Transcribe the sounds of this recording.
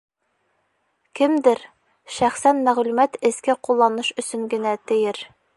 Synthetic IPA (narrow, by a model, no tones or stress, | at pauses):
kɘmd̪ɘɾ | ʃæχsænmæʁlʉmæt̪ɘ̆skɘqulˠːɑnɤʃɵ̆sɵŋɡɘ̆næt̪ɘ̆jɘɾ